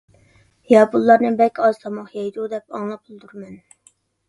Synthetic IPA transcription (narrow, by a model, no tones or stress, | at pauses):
jɑbulˠːɑɾnɨbɛkʲɑz̥t̪ʰɑmɑχjɑjd̪ud̪ɛpɑŋlˠɑp̚ʰulˠd̪uɾmɛn